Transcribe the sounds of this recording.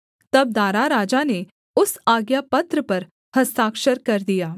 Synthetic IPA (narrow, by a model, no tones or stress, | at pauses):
t̪ɐb̚d̪aːɾaɾaːd͡ʒane | ʊsaːɡjapɐt̪ɾəpɐɾ | hɐst̪aːkʃəɾkɐɾd̪ijaː